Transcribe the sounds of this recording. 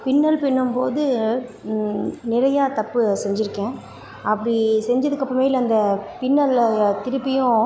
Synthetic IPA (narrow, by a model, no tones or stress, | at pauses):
pɪnːɐlpɪɳːɯmpoːðɯ | nɪɾɐjaːt̪ɐpːɯsɛɲd͡ʒɪɾɯkːẽː | ɐpːɐɽisɛɲd͡ʒɐðɯkːɐpːɾɐ̃meːjɪlɐnd̪ɐpɪnːɐlt̪ɪɾɯpːɪjʊ̃